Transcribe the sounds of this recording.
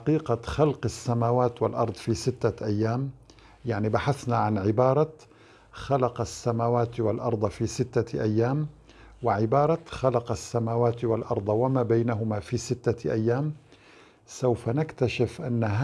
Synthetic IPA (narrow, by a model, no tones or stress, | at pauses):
qiːqɑxalqasːamaːwaːt̪walʔɑ̰ɾˤd̪ˤfiːsɪt̪ːaʔajːaːm | jaʕnibaħaθnaʕanʕɪbɑːɾˤɑ | xalɑqɑsːamaːwaːt̪walʔɑɾˤd̪ˤɑfiːsɪt̪ːaʔajːaːm | wɪʕɪbɑːɾˤɑxalɑqɑsːamaːwaːt̪walʔɑɾˤd̪ˤɑwamaːbajnaɦʊmafiːsɪt̪ːaʔajːaːm | sawfanakt̪aʃɪfʔanːah